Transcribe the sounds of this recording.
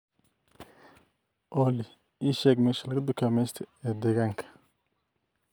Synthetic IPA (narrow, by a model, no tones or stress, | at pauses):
ʔɔːlɪ | iːʃɛːɡmɛːʃɐlɐɣɐd̪ʊkʰaːmɛjst̪ʰɐɛːd̪ɛːɣaːŋkʰɐ̥